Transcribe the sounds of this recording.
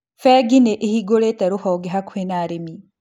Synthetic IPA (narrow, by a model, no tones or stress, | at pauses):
fɛɡineʔehiɡoletɛɾuhɔɡeɦakuhenaɾemi